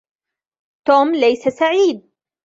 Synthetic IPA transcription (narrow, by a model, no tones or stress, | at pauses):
t̪oːmlajsasaʕiːd̪̚